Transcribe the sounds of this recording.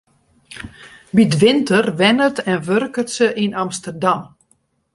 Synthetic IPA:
bitʋɪntərʋɛnətɛnʋørkətsəʔinamstərdam

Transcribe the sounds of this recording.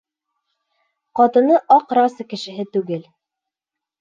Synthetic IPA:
qɑt̪ɤ̆nɤʔɑqɾɑsɤkɘ̆ʃɘ̆ɦɘt̪ʉɡɘl

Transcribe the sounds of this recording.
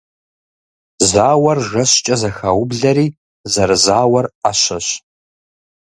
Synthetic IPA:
zaːwɐrʒɐɕt͡ʃʼɐzɐxaːwʊbɮɐɾiː | zɐɾɨzaːwɐraɕɐɕ

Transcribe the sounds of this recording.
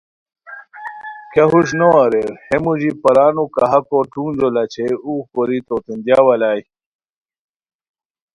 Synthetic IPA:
kaɦuɕ̬noɐɾeɾhemuʑipɐɾaːnukɐɦɐkoʈuːnzolɐt͡ɕʰeuːkoɾit̪ot̪end̪jaːwɐlaːj

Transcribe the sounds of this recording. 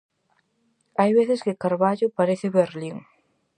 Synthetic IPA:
ajβeθɪskɪkaɾβaʎʊpaɾeθɪβeɾliŋ

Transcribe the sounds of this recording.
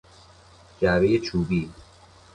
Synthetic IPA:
d͡ʒæbejet͡ʃʰuːbiː

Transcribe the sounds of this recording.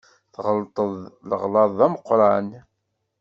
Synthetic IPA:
θʁəlt̪ˤəðˤlə̰ʁlɑðˤæməqːɾˤɑn

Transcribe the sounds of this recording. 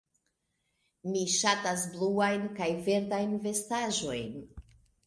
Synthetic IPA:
miʃatasbluajnkajve̞ɾdajnve̞staʒo̞jn

